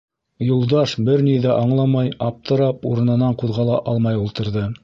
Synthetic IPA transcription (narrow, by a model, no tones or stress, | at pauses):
julˠd̪ɑʃbɘɾniðæʔɑɴlˠɑmɑjɑp̚t̪ʰɤ̆ɾɑpuɾɤ̆nɤ̆nɑɴquðʁɑlˠɑʔɑlˠmɑjulˠt̪ɤ̆ɾðɤ